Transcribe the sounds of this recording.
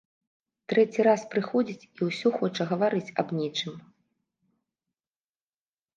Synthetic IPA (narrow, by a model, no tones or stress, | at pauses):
t̪ɾɛt͡sʲiɾaspɾɨxɔd͡zʲit͡sʲiwsʲɔxɔt͡ʂɐɣɐvaɾɨt͡sʲɐbnʲet͡ʂɨm